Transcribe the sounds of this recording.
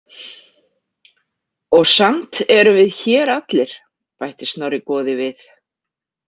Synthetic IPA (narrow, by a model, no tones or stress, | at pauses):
ɔɣsamt̪ɛɾʏvɪðçɛːɾat̪lɪɾ̥ | pajht̪ɪsnawɾɪkɔːðɪvɪθ